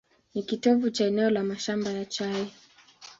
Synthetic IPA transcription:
nikitɔvut͡ʃaɛnɛɔlamaʃambajat͡ʃai

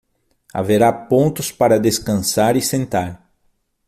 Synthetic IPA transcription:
a̰veɾapõnt̪ʊspaɾɐd̪eskɐ̃saɾɪsẽnt̪aɾ

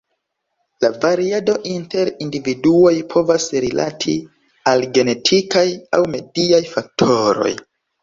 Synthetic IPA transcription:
lavaɾiado̞ʔinte̞ɾindividuo̞jpʰo̞vasɾila̰tʰḭ | alɡe̞ne̞tʰikajawme̞diajfak̚tʰo̞ɾo̞̰j

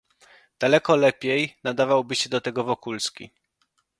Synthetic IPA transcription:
d̪̥alɛkɔlɛpʲjejnad̪avawbɘɕɛd̪ɔt̪ɛɡɔvɔkulskʲḭ

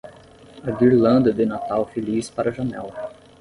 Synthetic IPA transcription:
ɐɡiɾlɐ̃nd̪ɐd̪ɪnat̪awfelispaɾɐʒɐnɛl

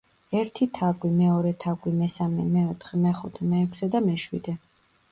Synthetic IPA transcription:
ɛɾt̪ʰit̪ʰaɡwimɛɔɾɛt̪ʰaɡwimɛsamɛmɛɔt̪ʰχɛmɛχut̪ʰɛmɛːkʷʰsɛd̪amɛʃwḭd̪ɛ

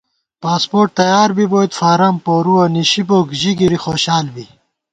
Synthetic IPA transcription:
paːspoːɾʈ̚t̪ɐjaːɾbiboːit̪faːɾɐmpoːɾuɐniɕiboːkʑiɡiɾixoːɕaːlbi

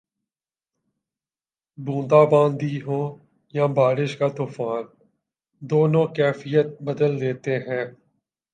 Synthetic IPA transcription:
bũːd̪aːbãːnd̪iɦõː | jãbaːɾɪʃkaːt̪uːfaːn | d̪oːnõːkɛːfɪjət̪̚bəd̪əld̪eːt̪eɦɛ̃ː

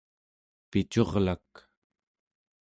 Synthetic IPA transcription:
pit͡ʃo̞ʁlak

